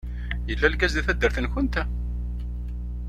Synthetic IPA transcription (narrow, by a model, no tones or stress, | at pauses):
jəlːælɡæzðæθæd̪ːəɾθənçʊnt̪æ